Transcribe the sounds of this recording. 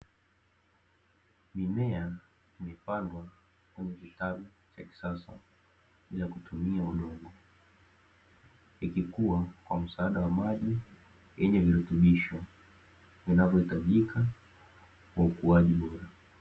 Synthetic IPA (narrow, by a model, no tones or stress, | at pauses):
minɛa | imɛpandwa | kwɛɲɛkitaɓu | t͡ʃaki̥sasa̰ | ɓilakutumiauɗɔɡɔ | ikikuwakwam̩saːɗawamaʄi | jɛɲɛviɾɛtɛɓiʃɔ | vinavjɔhitaʄikʰa | kwaukuaʄiɓɔɾa